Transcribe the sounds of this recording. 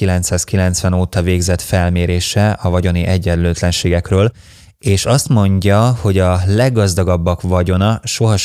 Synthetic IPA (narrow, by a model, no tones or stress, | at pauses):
ilɛnt̪saːskilɛn̪t̪sʋɛnoːt̪ɒveːɡzɛt̪fɛlmeːɾeːʃɛʔɒvɒɟo̞niʔɛɟːɛnløːt̪lɛnʃeːɡɛkrøːl | eːʃɒst̪mo̞ɲɟɒho̞ɟɒlɛɡːɒzd̪ɒɡɒbːɒkvɒɟo̞nɒʃo̞ɦɒ